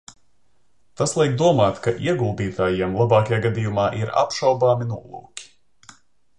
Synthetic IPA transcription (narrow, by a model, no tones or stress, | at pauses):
t̪aslˠɛjk̚d̪uɔmaːt̪kaʔiɛɡulˠd̪iːt̪aːjiɛmlˠabɑːkajaːɡad̪iːjumaːʔiɾa̰pʃawbaːminuɔlˠṵːkʲi̥